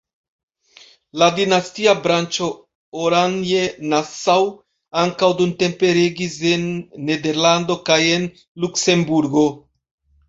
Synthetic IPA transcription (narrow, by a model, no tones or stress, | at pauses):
ladinastiabɾant͡ʃo̞ | oɾanje̞nasaw | aŋkawdunte̞mpe̞ɾeɡise̞nːe̞de̞ɾlando̞kaje̞n | lukse̞mbuɾɡo̞